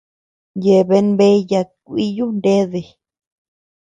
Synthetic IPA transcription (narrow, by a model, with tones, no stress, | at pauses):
je˨βe˧˦nbe˦ja˧kʷi˦ju˦nde˦ðe˧˨